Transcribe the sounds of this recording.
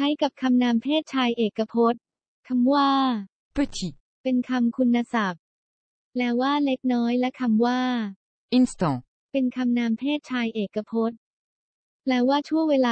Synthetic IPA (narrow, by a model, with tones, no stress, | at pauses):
t͡ɕʰa˦˥jka˨˩p̚kʰa˧mnaː˧mpʰeː˥˩t̪̚t͡ɕʰaː˧jʔeː˨˩kːa˧pʰo˦˥t̪̚ | kʰa˧mwaː˥˩ | pɯ˥˩t̪ʰi˨˩ | pe˧nkʰa˧mkʰu˧nːa˧sa˨˩p̚ | lɛː˦˥waː˥˩le˦˥k̚nɔː˦˥jlɛ˦˥kʰa˧mwaː˥˩ | ʔi˥nst̪ɔː˧ | pe˧nkʰa˧mnaː˧mpʰeː˥˩t̪̚t͡ɕʰaː˧jʔeː˨˩kːa˧pʰo˦˥t̪̚ | lɛː˦˥waː˥˩t͡ɕʰu˥˩əŋweː˧laː˧